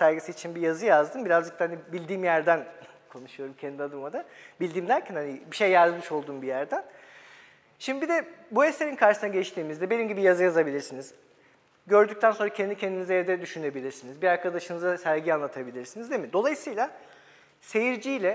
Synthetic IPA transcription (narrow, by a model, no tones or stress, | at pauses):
sæɾɡisiit͡ʃʰinbijazɯjazd̪ɯmbiɾazd͡ʒɯk̚t̪ahanibilʲd̪iːmjæɾd̪æn | kʰo̞nuʃujo̞ɾumcʰend̪iad̪ɯmad̪abilʲd̪iːmd̪æɾcʰænhanibiʃejːaɡ̪ɯmɯʃo̞lˠd̪uːmbijæɾd̪æn | ʃimd̪ibid̪ɛbue̞se̞ɾinkʰaɾʃɯsnaɟɛt͡ʃt̪ʰiːmizd̪ɛbe̞nimɟibijazɯjazabilʲiɾsiniz | ɟø̞ɾd̪yc̚t̪ʰænso̞nɾacʰend̪icʰend̪inizɛevd̪ɛd̪yʃyne̞bilʲiɾsinizbiaɾkʰad̪aʃɯnɯzasæɾɟianlˠat̪ʰabilʲiɾsinizd̪emid̪o̞lˠajɯsɯjlˠa | se̞jiɾd͡ʒijlʲɛ